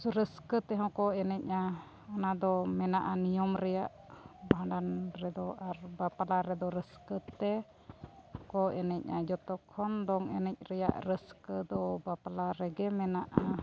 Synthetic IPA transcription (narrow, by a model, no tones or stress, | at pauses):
suɾəskət̪ɛɦɔ̃kɔɛnɛc̚a | anad̪ɔmɛnaʔanijɔmɾɛjaʔ | baãɖanɾɛd̪ɔʔaɾbapalaɾɛd̪ɔɾəskət̪ɛ | hɔ̃kɔɛnɛc̚ʔa̰d͡ʒɔt̪ɔkʰɔnd̪ɔŋɛnɛc̚ˀɾɛja̰ʔɾəskəd̪ɔbapalaɾɛɡɛmɛnaʔa